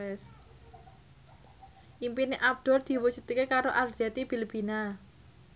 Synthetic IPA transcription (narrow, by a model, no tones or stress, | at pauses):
ɛs | ʔimpineʔab̚d̪̥ɔ̤rd̪̥i̤wut͡ʃut̪kekaɾoʔardd͡ʒ̥at̪ib̥ilb̥i̤na